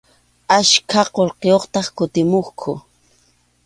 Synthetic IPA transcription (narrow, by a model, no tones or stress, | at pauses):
aʃkʰaqolqejoχt̪ɑχkʊt̪ɪmoχkʰʊ